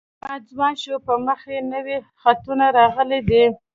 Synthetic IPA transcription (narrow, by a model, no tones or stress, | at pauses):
ɑd͡zwɑnʃopəməxenəwi | xat̪unaɾɑɣəled̪i